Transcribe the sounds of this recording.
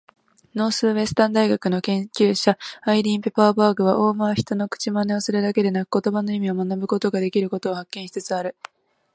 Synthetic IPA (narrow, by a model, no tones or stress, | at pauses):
no̞ːsɨːβe̞sɨ̥t̪ãnd̪aiɡakɯ̟no̞kẽ̞ŋkʲɨːɕaːiɾʲĩːmpe̞paːbaːɡɯ̟βaʔo̞ːmaːçi̥t̪o̞no̞kɯ̥t͡ɕimane̞o̞sɨɾɯ̟d̪ake̞d̪e̞nakɯ̥ko̞t̪o̞bano̞imʲio̞manabɯ̟ko̞t̪o̞ɡad̪e̞kʲiɾɯ̟ko̞t̪o̞ːhakːẽ̞ɰ̃çi̥t͡sɨt͡sɨaɾɯ̟